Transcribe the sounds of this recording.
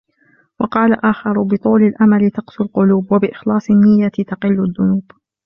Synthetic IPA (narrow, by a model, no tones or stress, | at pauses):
wɑqɑːlaʔaːxɑɾˤbɨt̪ˤuːlɪlʔamalɪt̪ɑqsʊlqʊluːbwabɪʔɪxlɑːsˤɪnːɪjːat̪ɑqɪlːʊðːʊnuːb̥